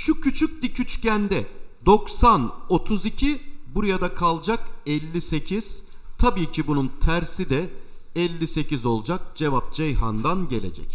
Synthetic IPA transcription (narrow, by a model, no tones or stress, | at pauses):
ʃucʰyt͡ʃʰyc̚d̪icʰyt͡ʃcænd̪ɛd̪o̞ksano̞t̪ʰuzicʰibuɾajad̪akʰalˠd͡ʒakɛlʲːise̞cʰiz̥ | t̪ʰabiːcʰibununt̪ʰæɾsid̪ɛɛlʲːise̞cizo̞lˠd͡ʒak̚d͡ʒe̞vap̚d͡ʒejɦa̰nd̪anɟe̞lʲe̞̰d͡ʒɛ̰c